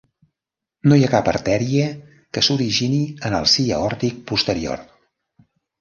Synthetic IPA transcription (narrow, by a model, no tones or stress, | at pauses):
nojakapəɾt̪ɛɾiə | kəsuɾiʒiniənəlˠsiə̰ɔɾt̪ik̚pust̪əɾio̰r